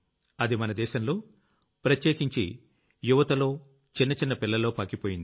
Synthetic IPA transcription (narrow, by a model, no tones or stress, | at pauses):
ɐd̪imɐnɐd̪ɛːʃɐmlo̞ː | pɾɐt̪jeːkiɲt͡ʃḭ | juʋɐt̪ɐlo̞ː | t͡ʃinːɐt͡ʃinːɐpilːɐlo̞ːpɐːkipo̞ːjind̪i